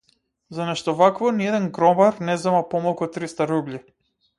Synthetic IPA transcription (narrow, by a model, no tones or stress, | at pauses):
zanɛʃt̪ɔvakvɔniɛd̪ɛnɡɾɔmaɾnɛzɛmapɔmalˠkut̪ɾist̪aɾublʲi